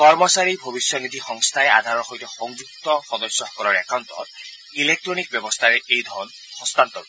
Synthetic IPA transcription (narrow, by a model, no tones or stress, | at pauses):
kɔɾmɔsaɾibʱɔbisjɔnid̪ʱixɔŋst̪ʰaea̰d̪ʱaɾɔxojt̪ɔxɔŋd͡ʒuk̚t̪ɔxɔd̪ɔsɔɦɔkɔɾɔɾɛkawnt̪ɔ̰ | ilek̚ʈɾonik̚bjɔbɔst̪ʰaɾeʔejd̪ʱɔɾɔn | hɔst̪ant̪ɔɡu